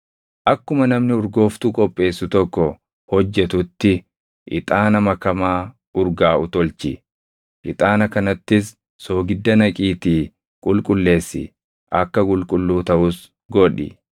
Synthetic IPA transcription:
ʔɐkːʊmɐnɐmnɪʊɾɡo̞ːft̪uːkʼɔpʼːe̞ːsːʊt̪ɔkːɔ | hɔd͡ʒːɛt̪ʊt̪ːɪ | ʔɪ̰t̪ʼaːnɐmɐkɐmaː | ʊɾɡaːʊt̪ɔlt͡ʃɪ̰ | ʔɪt̪ʼaːnɐkɐnɐt̪ːɪsː | o̞ːɡɪd̪ːɐnɐkʼiːt̪iː | kʼʊlkʼʊlːe̞ːsːɪ̰ | ʔɐkːɐkʼʊlkʼʊlːuːt̪ɐʔʊs | ɡɔᶑɪ̰

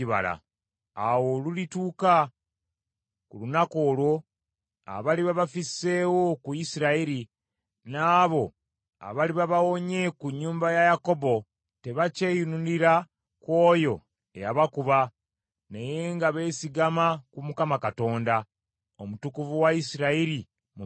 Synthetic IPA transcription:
iβa̰la̰ | awo̞lulituːka | kulunako̞ːlwo̞ | a̰βaliβaβafisːe̞ːwo̞kujisiɾaiɾi | naːβo̞ | a̰βaliβaβawo̞ɲe̞kuɲːuːmbajajako̞bo̞ | te̞βace̞ːjununiɾa | kwo̞ːjo̞ | e̞̰jaβakuβa | neje̞ŋɡaβe̞ːsiɡamakumukamakato̞ːnda | omutukuvuwaisiɾaiɾi | mu

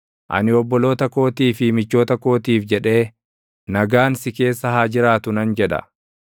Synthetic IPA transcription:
ʔɐ̰nɪɔbːɔlo̞ːt̪ɐko̞ːt̪iːfɪmɪt͡ʃːo̞ːt̪ɐko̞ːt̪iːfd͡ʒɛᶑe̞ː | nɐɡaːnsɪke̞ːsːɐɦaːd͡ʒɪɾaːt̪ʊnɐnd͡ʒɛᶑɐ̰

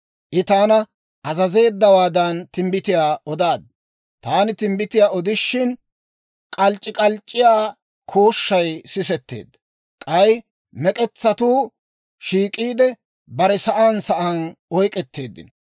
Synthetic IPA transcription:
ʔɪt̪aːnɐ | ʔɐzɐze̞ːd̪ːɐwaːd̪ɐnt̪ɪmbɪt̪ɪjaːɔd̪aːd̪̚ | t̪aːnɪt̪ɪmbɪt̪ɪjaːɔd̪ɪʃːɪn | kʼɐlt͡ʃʼːɪkʼɐlt͡ʃʼːɪjaː | kʰoːʃːɐjsɪsɛt̪ːe̞̰ːd̪ːɐ | kʼɐj | mɛkʼɛt͡sːɐt̪uː | ʃiːkʼiːd̪ɛ | bɐɾɛsɐʔaːnsɐʔɐnɔjkʼɛt̪ːe̞ːd̪ːɪ̰n

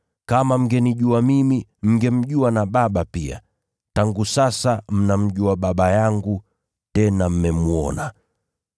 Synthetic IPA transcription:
kamam̩ɡɛniʄuamimim̩ɡɛm̩ʄuanaɓaɓapia̰ | taŋɡusasam̩nam̩ʄuaɓaɓajaŋɡu | tɛnam̩mɛmuɔ̰na

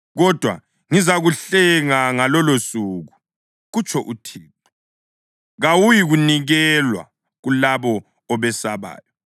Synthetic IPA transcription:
ɣɔd̥ʱwa̰ | ŋizaɣuɬɛŋaŋalɔlosuːɣu | ɣut͡ʃʰʼɔʔutʰiːǃi | ɣawujiɣuniɣɛlwa̰ | ɣulaβɔ | ɔβɛsaβa̰ːjɔ

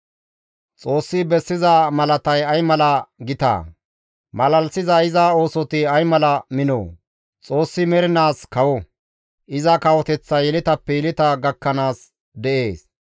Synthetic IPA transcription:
t͡sʼo̞ːsːɪbɛsːɪzɐmɐlɐt̪ɐjɐjmɐlɐɡɪt̪a̰ː | mɐlɐlsɪzɐɪzao̞ːsɔt̪ɪɐjmɐlɐmɪno̰ː | t͡sʼo̞ːsːɪmɛɾɪnaːskɐwɔ | ʔɪzɐkɐwɔt̪ɛt͡sːɐjɛlɪt̪ɐpːɛjɛlɪt̪ɐɡɐkːɐnaːs | d̪ɛʔe̞ːs

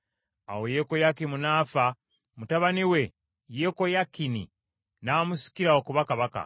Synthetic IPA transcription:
a̰woje̞ko̞jakːimunaːfa | mutaβaniwe̞ | jeko̞jakːinḭ | naːmusi̥kiɾaokuβakaβaka̰

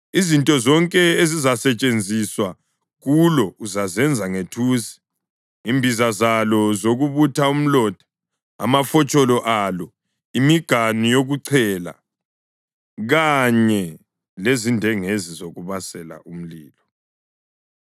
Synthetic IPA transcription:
izintʼɔzɔŋkʼɛezizasɛt͡ʃʼend͡zʱiswa | ɣulɔuzazɛnd͡zʱaŋetʰuːsi̥ | imbʱizazalɔzoɣuβutʰaum̩lɔd̥ʱḁ | a̰mafɔt͡ʃʼɔlɔʔalɔ | imiɡ̥ʱanijoɣuǀʰɛːla̰ | ɣaɲɛ | lezindʱɛŋezizoɣuβasɛla̰ʔum̩lḭːlɔ

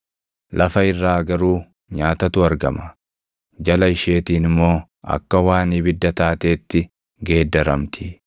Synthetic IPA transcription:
lʔɐfɐɪrːaːɡɐɾuː | ɲaːt̪ɐt̪ʊɐɾɡɐmɐ̥ | d͡ʒɐlɐɪʃe̞ːt̪iːnɪmːo̞ː | ʔɐ̰kːɐwaːniːbɪd̪ːɐt̪aːt̪e̞ːt̪ːɪ | ɡe̞ːd̪ːɐɾɐmt̪ʰɪ̥

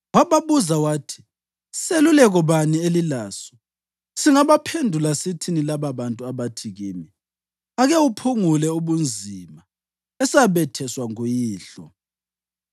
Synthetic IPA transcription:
waβaβuzawaːtʰi̥ | selulɛɣɔβanielilaːsɔ̥ | siŋaβapʰendʱulasitʰinilaβaβantʼuaβatʰiɣiːmi | aɣɛwupʰuŋulɛuβund͡zʱima | ɛsaβɛtʰɛswaŋujiːɬɔ̰

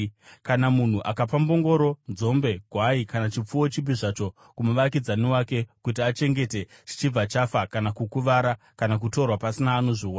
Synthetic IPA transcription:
kanamun̤uʔakapambo̞ŋɡo̞ɾo̞nzo̞mbe̞ɡʱwaikanat͡ʃip͡fuwo̞t͡ʃibiʐat͡ʃo̞ | kumuʋakid͡zanewake̞kutiat͡ʃe̞ŋɡe̞te̞ʐ̥it͡ʃib͡vat͡ʃafakanakukuʋaɾa | kanak̬uto̞rwapasinaːno̞ʐiwa

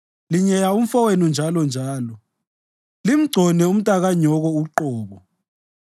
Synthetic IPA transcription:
liɲɛjaum̩fɔwenund͡ʒʱalɔnd͡ʒʱaːlɔ | lim̩ɡ͡ǀʱɔnɛum̩tʼaɣaɲɔɣɔuǃɔːβɔ

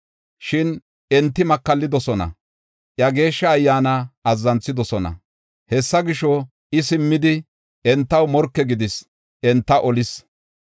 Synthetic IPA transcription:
ʃɪn | ɛnt̪ːɪmɐkːɐlːɪd̪ɔsɔnɐ̰ | ʔjɐɡe̞ːʃːɐːjːaːnɐɐzːɐnt͡sːɪd̪ɔsɔnɐ̰ | hɛsːɐɡɪʃɔ | ʔɪsɪmːɪd̪ɪ | ɛnt̪ːɐwmɔɾkːɛɡɪd̪ɪs | ʔɛnt̪ːɐʔɔlɪs

